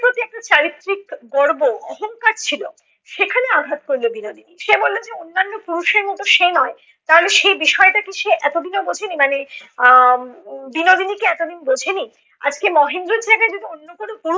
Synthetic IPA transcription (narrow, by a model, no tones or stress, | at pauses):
pɾot̪iɛk̚ʈat͡ɕaɾit̪ːɾikɡɔɾboɔɦoŋkaɾt͡ɕʰilo | ʃekʰaneaɡʱat̪koɾlobinod̪iniʃebollod͡ʑeonːanːopuɾuʃeɾmoʈoʃenɔe | t̪aɦoleʃejbiʃɔeʈakiʃeʔɛt̪od̪ʱinobod͡ʑʱenimane | binod̪inikeɛt̪od̪ʱinbod͡ʑʱeni | a̰d͡ʑkemɔɦind̪ɾoɾd͡ʑaɡaed͡ʑod̪ionːokonopuɾ